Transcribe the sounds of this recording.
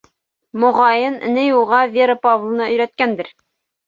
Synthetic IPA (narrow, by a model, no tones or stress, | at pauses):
mŏʁɑjɤnɘ̰nɘjulˠʁɑvʲeɾɤpavlˠɤ̆nɑʔɵ̆jɾæt̪̚kænd̪ɘɾ